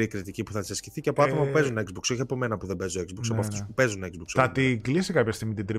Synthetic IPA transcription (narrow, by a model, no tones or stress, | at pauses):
ikɾit̪icipuθɐt̪sɐsciθiceɐpoɐt̪o̞mɐpupe̞zunekzbukso̞çiɐpo̞me̞nɐpuðebe̞zoekzbuksɐppoɐft̪u̥spupe̞zunekzbuksɐtt̪iɡlisikɐpçɐst̪iɣmit̪id̪ɾi